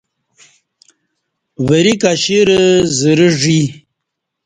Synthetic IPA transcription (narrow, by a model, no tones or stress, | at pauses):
vəɾikaɕiɾəzəɾəʐi